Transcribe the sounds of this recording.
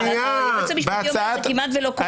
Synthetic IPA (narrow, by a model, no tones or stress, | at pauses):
ot͡sɛmiʃjokimat̪velok